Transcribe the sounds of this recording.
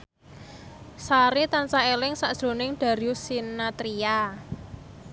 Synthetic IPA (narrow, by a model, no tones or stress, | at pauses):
saɾit̪ant͡ʃaelɪŋsaʔd̥ʒ̥ɾo̤nɪŋɖ̥a̤ɾiusinat̪ɾia